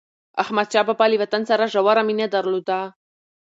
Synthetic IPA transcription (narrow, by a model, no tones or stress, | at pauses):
ahmad̪̚t͡ʃɑbabɑliwat̪ansaɾaʐawaɾaminad̪aɾlod̪a